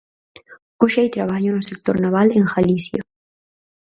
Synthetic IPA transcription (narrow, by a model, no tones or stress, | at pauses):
oʃajt̪ɾaβaɲonusek̚t̪oɾnaβaleŋxalisja